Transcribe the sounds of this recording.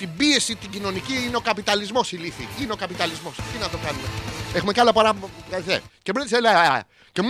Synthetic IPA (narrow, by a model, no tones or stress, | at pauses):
t̪ibie̞sit̪iɟino̞niciineo̞kɐpit̪ɐlizmo̞siliθḭineo̞kɐpit̪ɐlizmo̞st̪inɐt̪o̞kɐnumee̞xume̞cɐlɐpɐɾɐɐθḛcemnt̪iselɐ | cem